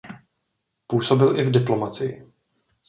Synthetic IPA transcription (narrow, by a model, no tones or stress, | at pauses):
puːso̞bɪlʔɪvdɪplo̞mat͡sɪjɪ